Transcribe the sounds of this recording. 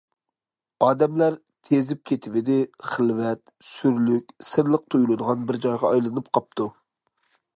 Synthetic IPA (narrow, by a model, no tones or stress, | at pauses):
ɑːd̪ɛmlæɾ | t̪ʰezɪp̚kʲʰet̪ʰɪvɪd̪ɪχəlˠvɛt̪ | syɾlykʲsɨɾlˠəq̚t̪ʰojulˠɨd̪əʁɑnbɪɾd͡ʒɑjʁɑɑjlˠɨnɨp̚qʰɑp̚t̪ʰu